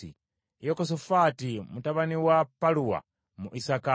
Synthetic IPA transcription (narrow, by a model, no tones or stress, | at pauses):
ḭ | jɔkɔs̬ɔfatimutaβaniwapalua̰ | muʔisaka